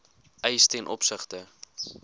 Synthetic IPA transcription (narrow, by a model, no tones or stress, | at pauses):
ʔɛjstɛnʔɔ̰psəχtə